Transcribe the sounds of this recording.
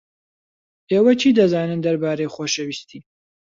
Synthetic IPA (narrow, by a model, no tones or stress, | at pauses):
ʔeːwɐt͡ʃʰiːd̪ɐzaːnɨnd̪ɐɾbaːɾejχoːʃɐwist̪ʰiː